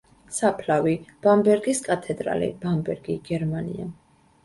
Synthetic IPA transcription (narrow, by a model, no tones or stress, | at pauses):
sapʰlavib̥ambɛɾɡiskʼat̪ʰɛd̪ɾa̰lḭb̥ambɛɾɡiɡ̥ɛɾmanḭa